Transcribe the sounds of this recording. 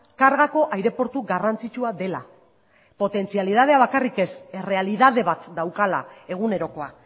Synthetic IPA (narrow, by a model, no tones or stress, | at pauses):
kaɾɣako̞ʔajɾe̞po̞ɾt̪uɡarant͡sit͡ʃuaðe̞la | po̞t̪e̞nt͡sialið̞að̞e̞aβ̞akarikesere̞aliðað̞e̞βat̪d̪awkala̰e̞ɣ̞une̞ɾo̞ko̞a